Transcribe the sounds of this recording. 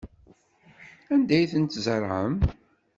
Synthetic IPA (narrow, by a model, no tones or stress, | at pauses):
ænd̪æjθənt̪zəɾˤʕə̰m